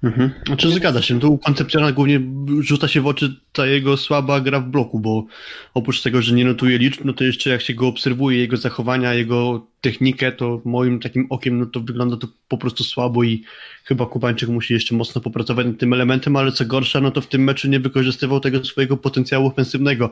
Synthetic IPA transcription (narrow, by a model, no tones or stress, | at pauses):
m̩ɦm̩at͡ʂɨzɡad̪zaɕɛnt̪ɔukɔnt̪sɛp̚t̪ʲjɔnaɡwuvɲɛʐut̪saɕɛvɔt͡ʂɘt̪ajɛɡɔswabaɡɾavblɔkubɔɔpɾut͡ʂt̪ɛɡɔʐɛɲɛnɔt̪ujɛlʲit͡ʂpnɔt̪ɔjɛʂt͡ʂɛjakɕɛɡɔːpsɛɾvujɛjɛɡɔzaxɔvaɲaːjɛɡɔt̪ɛxɲikɛt̪ɔmɔjimt̪akʲimɔkʲɛmnɔt̪ɔvɘɡlɔnd̪at̪ɔpɔpɾɔst̪uswabɔixɘbakubaɲt͡ʂɘkmuɕijɛʂt͡ʂɛmɔt̪snɔpɔpɾat̪ɔvat͡ɕnat̪ːɘmɛlɛmɛnt̪ɛmalɛt̪sɔɡɔɾʂanɔt̪ɔft̪ɘmːɛt͡ʂuɲɛvɘkɔʐɨst̪ɘvawt̪ɛɡɔsfɔjɛɡɔpɔt̪ɛnt̪sʲjawuɔfɛnsɘvnɛɡɔ